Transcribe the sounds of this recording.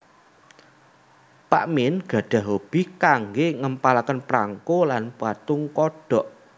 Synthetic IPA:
paʔmɪnɡ̥a̤ɖ̥a̤ɦob̥i̤kaŋɡeŋəmpalakənpɾaŋkolanpwat̪ʊŋkɔɖ̥ɔ̤ʔ

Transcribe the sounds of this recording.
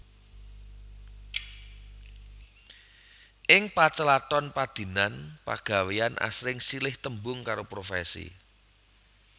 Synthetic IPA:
ʔɪŋpat͡ʃəlat̪ɔnpad̪̥i̤nanpa̰ɡ̥a̤weanʔa̰sɾɪŋsilɪht̪əmbʊŋkaɾopɾofɛ̰sḭ

